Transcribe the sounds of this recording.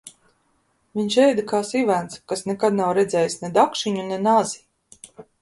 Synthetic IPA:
viɲʃɛjd̪akaːsivænt̪skasnɛkad̪nawɾɛd̪zʲɛːjsnɛd̪akʃiɲunɛnazi̥

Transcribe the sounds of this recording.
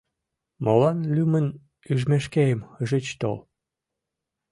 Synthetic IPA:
molɑnlʲymən | yʒmeʃkejəməʒet͡ɕt̪o̰l

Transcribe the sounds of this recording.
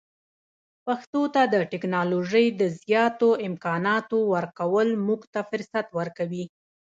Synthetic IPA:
paxt̪ot̪ad̪əʈɪknɑloʒəjd̪əzjɑt̪oɪmkɑnɑt̪owəɾkawəlmuɡt̪afɪɾsat̪wəɾkawi

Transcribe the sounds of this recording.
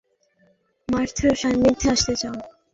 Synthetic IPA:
maɾt̪ʰoeɾʃaŋɾid̪ʱːeaʃt̪et͡ɕao

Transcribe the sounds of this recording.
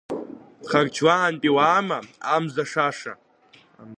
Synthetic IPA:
χart͡ʃʰwaːnpʼiwaːmaamzaʂaʂa̰

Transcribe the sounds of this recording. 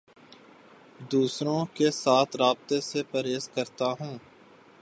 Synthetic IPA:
d̪uːsɾõkesaːt̪ʰɾaːb̚t̪esepəɾeːzkəɾt̪aɦũː

